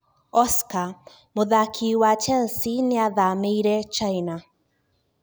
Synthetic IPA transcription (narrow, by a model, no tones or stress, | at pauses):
ɔska | moðakʰiwat͡ʃɛlsinɪaðameiɾɛt͡ʃajna